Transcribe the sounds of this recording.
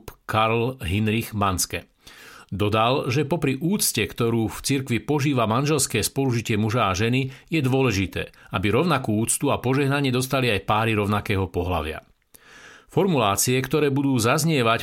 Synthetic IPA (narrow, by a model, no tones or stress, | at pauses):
pkaɾlɦinɾiɣmanskɛ̰ | d̪ɔd̪alʒɛpɔpɾiʔuːt͡scɛkt̪ɔɾuːft͡siɾkʋipɔʒiːʋamanʒɛlskɛːspɔluʒicɪɛmuʒaːʒɛnijɛd̪ʋʊɔlɛʒit̪ɛ̰ːabiɾɔʊnakuːuːt͡st̪uapɔʒɛɦnaɲɪɛd̪ɔst̪aliajpaːɾiɾɔʊnakɛːɦɔpɔɦla̰ʋɪa̰ | fɔɾmulaːt͡siɛkt̪ɔɾɛːbud̪uːzazɲɪɛʋac